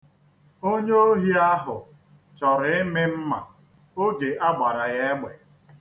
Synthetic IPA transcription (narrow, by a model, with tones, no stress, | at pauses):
o˦ɲe˦o˦ɦi˦a˦ɦʊ˨ | t͡ʃɔ˨ɾɪ˨ɪ˦mɪ˦m̩˦ma̰˨ | o˦ɡe˨ʔa˦ɡ͡ba˨ɾa˨ɣa˦ɡ͡be˨